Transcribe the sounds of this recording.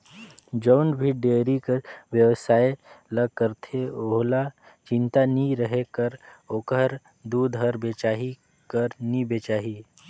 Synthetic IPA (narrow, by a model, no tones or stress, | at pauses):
d͡ʒɔːnbʱiɖeːɾikeʋjəʋsaːeləɡ̚kəɾt̪ʰeoɦla | t͡ʃɪ̃nt̪aniɾəɦekəɾokəɾ | d̪uːd̪ɦəɾbeːt͡ʃaːɦi | kəɾnibet͡ʃaːɦi